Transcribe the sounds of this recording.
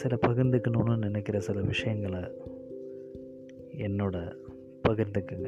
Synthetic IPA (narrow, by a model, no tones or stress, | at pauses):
sɪlɐpɐɣɪɾnd̪ɯkːɐnunɯnɪnɛkːɪɾɐsɪlɐʋɪʂɐjɐŋɡɐɭɐ | ɛnːoːɽɐ | pɐɣɪɾnd̪ɯkːɯŋɡɐ